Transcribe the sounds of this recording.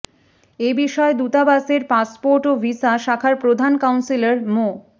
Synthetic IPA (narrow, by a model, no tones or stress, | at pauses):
ebiʃɔed̪ut̪abaseɾpaspoɾʈovisaʃakʰaɾpɾod̪ʱankawnsilaɾmo